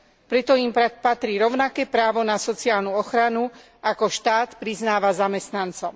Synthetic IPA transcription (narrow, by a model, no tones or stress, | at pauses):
pɾɛt̪ɔimpat̪ɾiːɾɔʊnakɛːpɾaːʋɔnasɔt͡siaːlnuɔxɾanu | ʔakɔʃt̪aːt̪pɾiznaːʋazamɛst̪nant͡sɔʊ